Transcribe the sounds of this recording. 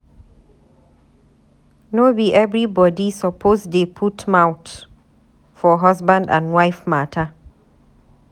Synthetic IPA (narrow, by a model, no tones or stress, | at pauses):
nobiʔɛvɹibɔdisɔpʰosdepʰutmãwt | fɔɦɔsbãndã̰nwaɪfmatʰə